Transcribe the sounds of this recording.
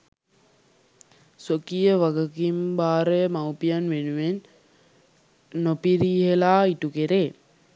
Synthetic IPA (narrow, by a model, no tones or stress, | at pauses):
sokijəʋaɡəkimbaːɾəmawpijanʋenuʋen | opiɾiːɦelaːiʈukeɾeː